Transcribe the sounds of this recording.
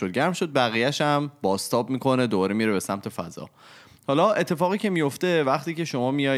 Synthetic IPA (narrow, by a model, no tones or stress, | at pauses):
od̪̚ɟæɾmʃod̪̚bæɣiːjæʃæmbɒːst̪ʰɒːbmiːkʰo̞ne̞d̪obɒːɾemiɾebe̞sæmt̪ʰe̞fæ̰zɒ̰ | hɒːlɒʔe̞t̪ʰːe̞fɒːɣiːcʰe̞mijo̞ft̪e̞væχt̪iːce̞ʃo̞mɒːmijɒ